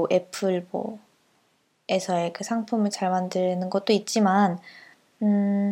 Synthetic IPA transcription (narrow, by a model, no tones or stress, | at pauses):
ʔe̞pʰɯɭmo | e̞sʰʌekʰɯsʰaŋpʰumɯɭt͡ɕaɭmandɯnɯnɡʌt̚t͈oit̚t͡ɕ͈iman | ɯ